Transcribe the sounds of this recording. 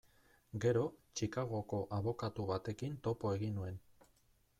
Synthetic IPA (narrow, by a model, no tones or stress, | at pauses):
ɡe̞ɾo̞t͡ʃikaɣ̞o̞ko̞ʔaβo̞kat̪uβat̪e̞kint̪o̞po̞e̞ɣinue̞n